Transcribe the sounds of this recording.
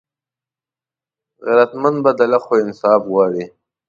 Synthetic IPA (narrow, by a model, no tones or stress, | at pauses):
ɣaɾat̪manbad̪alaxoɪnsɑːfɣwɑːɽi